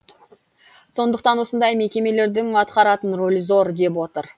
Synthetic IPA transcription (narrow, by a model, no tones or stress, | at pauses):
so̞nd̪əq̚t̪ɑnwo̞sənd̪ɑjme̞kʲe̞me̞le̞ɾd̪ɪŋɑt̪qɑɾɑt̪ənro̞lʲizo̞ɾd̪e̞pwo̞t̪əɾ